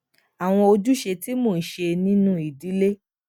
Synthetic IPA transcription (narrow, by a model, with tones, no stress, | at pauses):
a˨w̃ɔ̃˧o˧d͡ʒu˦ʃe˧ti˦mo˦˨n̩˨ʃe˧nĩ˦nũ˦i˨di˨˦le˦